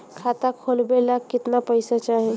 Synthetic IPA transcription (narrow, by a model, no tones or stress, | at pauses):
kʰat̪akʰolbelakkːɪt̪napəjsat͡ʃaɦĩ